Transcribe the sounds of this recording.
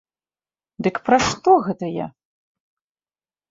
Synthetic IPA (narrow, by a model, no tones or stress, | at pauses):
d̪ɨkpɾaʂt̪ɔɣɛt̪ɐja̰